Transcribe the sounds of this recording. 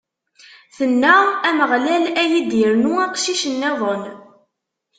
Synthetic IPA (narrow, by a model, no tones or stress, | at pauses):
θənːææməʁlælæjid̪iɾnuɑqʃiʃənːæðˤən